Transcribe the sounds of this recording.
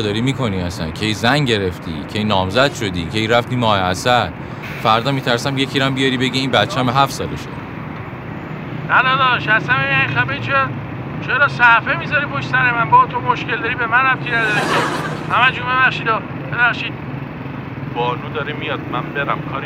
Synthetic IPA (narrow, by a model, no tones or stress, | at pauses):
d̪ɒːɾimiːkʰo̞niæsæ̰ncʰejzæŋɟe̞ɾeft̪ʰḭːcʰejnɒːmzæd̪̥ʃod̪ḭːcʰejɾæft̪iːmɒːheæsæɾ | fæɾd̪ɒːmiːt̪ʰæɾsæmje̞cʰiɾæmbijɒɾibeɟiiːnbæt̪t͡ʃʰeææmɦæfsɒːleʃo̰d̪ | næd̪ɒd̪ɒːʃæsæmejænixæbet͡ʃʰe | t͡ʃʰeɾɒsæfemizɒɾiboʃsæɾemænbɒt̪ʰomoʃkʲeld̪ɒɾibemænæmkʰinæd̪ɒɾeohæmæd͡ʒumbe̞βæχʃid̪ɒ | b̥ebæχʃiːd̪̥̚ | bɒːnuːd̪ɒɾimijɒd̪̚mænbeɾæmkʰɒːɾ